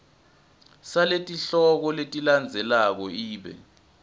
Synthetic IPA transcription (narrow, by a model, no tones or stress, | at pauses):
saletʼiɬɔk̬ɔletʼiland͡zʱɛlak̬ɔiːɓɛ̰